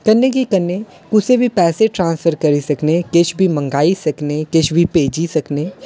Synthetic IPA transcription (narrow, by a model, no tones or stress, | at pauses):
kɐnːekikɐnːe | kʊsebʱipɛːseʈɾãːnsfʰəɾkɐɾisɐknekɪt͡ʃʰbʱimɐ̃ŋɡaːisɐknekɪt͡ʃʰbʱipeːd͡ʒisɐkneː